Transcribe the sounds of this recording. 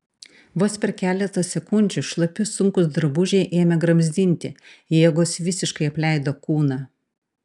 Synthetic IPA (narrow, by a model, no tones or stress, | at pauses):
ʋoːspʲɛɾkʲæːlʲɛt̪ɐsʲɛkʊnʲd͡ʒʲuʃlˠɐpʲʊsʊŋkʊsd̪ɐɾbʊʒʲɛɪʔeːmʲɛɡɾɐmʲzʲd̪ʲɪnʲt̪ʲɪjeːɡoːsʋʲɪsʲɪʃkɐɪɐpʲlʲɛɪd̪oːkuːnɑː